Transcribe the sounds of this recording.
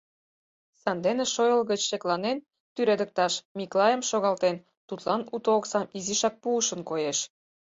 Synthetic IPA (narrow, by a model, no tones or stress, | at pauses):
sɑnd̪enĕʃojə̆lɣə̆t͡ɕʃeklɑnen | t̪yɾed̪ə̆k̚t̪ɑʃmiklˠɑjə̆mʃoɣɑlt̪en | t̪ut̪lɑnut̪ooksɑmiziʃɑk̚puːʃə̆nkojeʃ